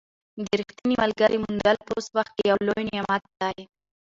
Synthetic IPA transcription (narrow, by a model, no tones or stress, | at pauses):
d̪əɾixt̪inimalɡaɾʔemʊnd̪alposwaxt̪̚kejawlojnamat̪̚d̪aj